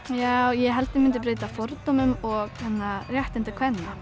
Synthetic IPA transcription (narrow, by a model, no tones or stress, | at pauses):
jawjɛɦɛlt̪ɪmɪnt̪̬ɪp̬ɾeːjt̪afɔɾt̪omʏmɔɣhɛnːarjɛht̪ɪnt̪ɪkʰvɛnːa